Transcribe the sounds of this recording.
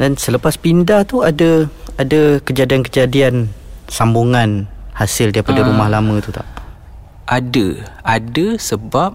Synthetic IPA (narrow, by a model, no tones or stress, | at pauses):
dansələpaspindaht̪uadəadəkəd͡ʒadiankəd͡ʒadiansambuŋanhasɪldaɾipadaɾumahlamə̃t̪ut̪a̰ʔ | ʔadəadəsəbap̚